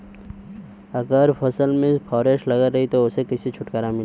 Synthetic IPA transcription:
ɐɡəɾpʰɐsəlmẽpʰɔːɾeːʃlɐɡəɾɐɦit̪oʊsekɐsit͡ʃʰʊʈkəɾamɪl

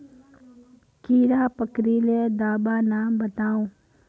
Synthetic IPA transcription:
kiːɾapəkɾiled̪aːbaːnabət̪aːõː

